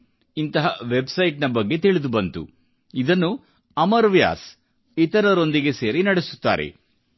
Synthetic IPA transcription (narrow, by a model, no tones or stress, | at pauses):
int̪ɐɦɐʋe̞bsɐjʈnɐbɐɡːe̞t̪iɭid̪ubɐnt̪ṵ | id̪ɐnːu | ɐmɐɾʋja̰ːs | it̪ɐɾɐɾo̞nd̪iɡe̞se̞ːɾinɐɽesu̥t̪ːa̰ːɾʔḛ